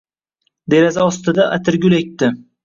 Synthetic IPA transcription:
d̪e̞ɾazaɒst̪ɪd̪aʔat̪ʰɪɾɡʲʊlek̚ʲt̪ːɪ

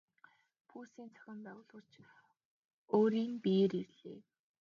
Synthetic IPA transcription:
pʰuːsiːnt͡sʰœ̥xʲɪ̆mpæːwʊːɮʁə̆r̥t͡ɕ | oːɾiːŋpieɾirɮḛː

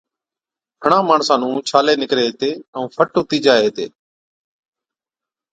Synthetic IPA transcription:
pʰəɳãːmaːɳsãːnũːt͡ʃʰaːleːnɪkɾeːt̪eːə̃ũːpʰəʈɦʊt̪iːd͡ʒaːeeːt̪ḛː

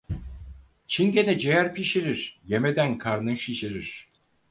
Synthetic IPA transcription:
t͡ʃʰinɟenɛd͡ʒejæɾpiʃeɾiɾ̥jemed̪ænkʰaɾnɯʃiʃeɾiɾ̥

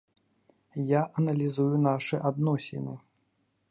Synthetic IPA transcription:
jaʔɐnɐlʲizujunaʂɨʔad̪nɔsʲɪ̰nɨ

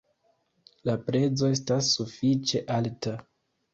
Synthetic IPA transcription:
lapɾe̞d͡zo̞e̞stasːufit͡ʃe̞ʔalta

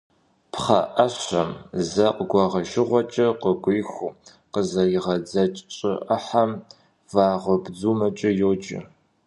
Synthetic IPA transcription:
pχɐ̰ʔɐɕɐmzɐqəɡʷɑʁɐʒɪʁʷɔt͡ʃʼɐqəɡʷʊjxʷu | qəzɐjɪʁɐd͡zɐt͡ʃʼt͡ʃʼɪ̰ʔɐħam | vaːʁʷəbd͡zuːmɐt͡ʃʼɐjoːd͡ʒʼɪ̰

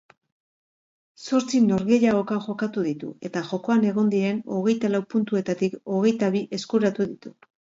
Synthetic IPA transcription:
so̞ɾt͡sino̞ɾɣe̞ʎaɣokaʝo̞kat̪uðit̪ṵe̞t̪aʝo̞ko̞ane̞ɣ̞o̞nd̪iɾe̞no̞ɣe̞jt̪alawpunt̪ue̞t̪at̪iko̞ɣe̞jt̪aβiʔe̞skuɾat̪uðit̪u

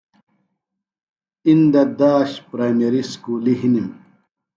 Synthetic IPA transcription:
ind̪ɐd̪aːɕpɾaːjmeɾiskuːliɦinim

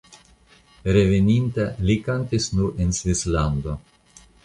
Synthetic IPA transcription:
ɾevenint̪elikant̪isnuɾensvisland̪o

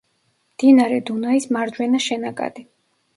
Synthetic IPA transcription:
md̪̥inaɾɛd̪unaismaɾd͡ʒwɛnaʃɛnakʼa̰d̪̥i

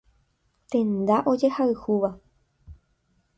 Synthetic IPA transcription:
t̪ẽ̞nd̪aʔo̞d͡ʒe̞haɨhuʋa

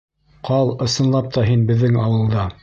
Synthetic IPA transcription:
qʰɑlˠɤ̆sɤ̆nlˠɑp̚t̪ɑɦinbɘ̆ðːɘŋɑwɤ̆lˠd̪ɑ

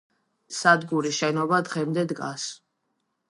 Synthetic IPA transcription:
sad̪ɡuɾiʃɛnɔbad̪ʁɛmd̪ɛd̪ɡas

